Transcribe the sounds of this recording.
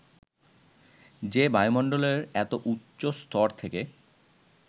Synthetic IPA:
d͡ʑebajmɔɳɖoleɾɛt̪oʔutːɕost̪ʰɔɾt̪ʰeke

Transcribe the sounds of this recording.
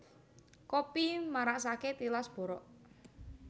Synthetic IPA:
kopimaɾaʔsaket̪ilasb̥ɔ̤ɾɔʔ

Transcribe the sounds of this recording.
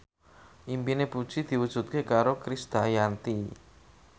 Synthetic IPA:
ʔimpinepu̥ʒ̥id̪̥i̤wud̥ʒ̥ṳt̪̚kekaɾokɾisd̪̥ajant̪i

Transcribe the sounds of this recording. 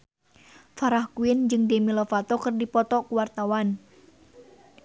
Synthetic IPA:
faɾahkuɪnd͡ʒɨŋdemilɔfat̪ɔkɨrdipɔt̪ɔkuwart̪awan

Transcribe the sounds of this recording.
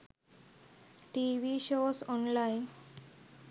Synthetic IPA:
ʈiʋiʃosɔnlain

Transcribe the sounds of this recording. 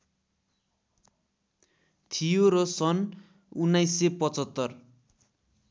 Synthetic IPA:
t̪ʰijoɾʌsʌn | unːajsepʌt͡sʌt̪ːʌr

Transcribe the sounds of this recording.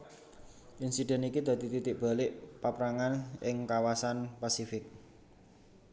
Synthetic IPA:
ʔinsiɖ̥ɛ̤nikid̪̥a̤d̪i̤t̪it̪ɪʔ̚b̥a̤lɪʔpapɾaŋanʔɪŋkawasanpasifɪk̚

